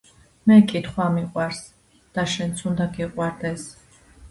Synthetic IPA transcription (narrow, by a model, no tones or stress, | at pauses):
mɛkʼit̪ʰχwamiqʼwaɾs | d̪̥aʃɛnt̪sʰund̪aɡiqʼwaɾd̪ɛs